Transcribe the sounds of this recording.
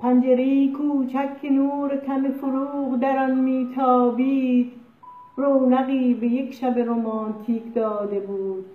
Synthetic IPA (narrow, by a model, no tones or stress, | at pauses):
pʰænd͡ʒeɾejikʰuːt͡ʃʰækʲʰːenuːɾekʲʰæmefoɾuːʁd̪æɾɒnmiːt̪ʰɒːbiːd̪̥ | ɾownæɣiːbejekʃæbeɾomɒːnt̪ʰiːkd̪ɒːd̪e̞buːd̪̥